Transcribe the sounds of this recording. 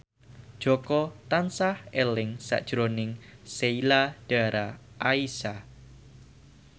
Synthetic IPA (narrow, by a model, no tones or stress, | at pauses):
d̥ʒ̥ɔ̤kɔt̪ansahɛlɪŋsa̰ʔd̥ʒ̥ɾonɪŋseilaɖ̥a̤ɾaʔaisa